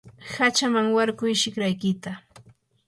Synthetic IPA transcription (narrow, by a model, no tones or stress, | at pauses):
hat͡ʃamaŋwaɾkʊjʃɪkɾajkɪt̪a